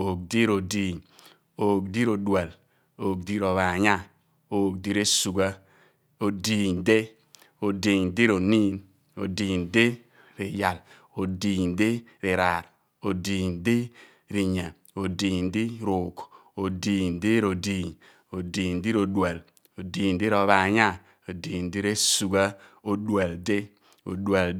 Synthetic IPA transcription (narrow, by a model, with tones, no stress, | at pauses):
o˨k̚di˦ɾo˨diː˨ɲ | o˨k̚di˦ɾo˨dwa˨l | o˨k̚di˦ɾo˨βa˨ɲa˦ | oː˦k̚di˦ɾe˦su˨ɡa˦ | o˨di˨ɲde˦ | o˨di˨ɲdi˦ɾo˨ni˦n | o̰˨diː˨nde˦ | ɾe˨ja˨l | o˨di˨ɲde˦ | ɾi˨ɾa˨ɾ | o˨di˨ndi˦ | ɾi˨ɲa˨ | o˨diː˨ndi˦ɾo˨k | o˨diː˨ɲ˨di˦ɾo˨di˨ɲ | o˨di˨ndi˦ɾo˨dwe˨l | o˨diː˨n˨di˦ɾo˨βa˨ɲa˦˨ | o˨di˨n˨di˦ɾe˦su˨ɡa˦o˨dwe˨lde˦ | o̰˨dwa˨l